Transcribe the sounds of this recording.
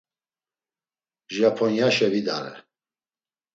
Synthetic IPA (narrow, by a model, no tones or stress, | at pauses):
ʒapʰɔnjaʃɛvid̪aɾɛ̰